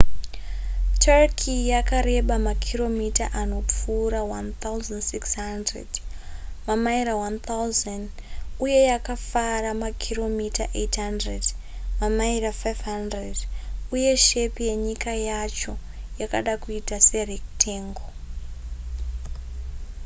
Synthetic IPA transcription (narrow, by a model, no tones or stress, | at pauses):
tʰarkʰijakaɾe̞ɓamakʰiro̞mitaʔano̞p͡fuːɾawant̪awzandsiksɦandredmamaiɾawant̪ʰawzan | uje̞jakafaramakʰiro̞mitaʔetɦandred | mamairafajvɦandreduje̞ʃe̞pije̞ɲikajat͡ʃo̞ | jaka̰ɗakuitase̞rik̚tʰeːŋɡo